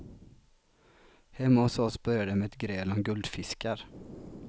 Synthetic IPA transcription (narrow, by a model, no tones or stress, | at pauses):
hɛmːaɔsɔsbœɾjad̪əmɛɛt̪ɡɾeːlɔmɡɵld̪fɪskaɾ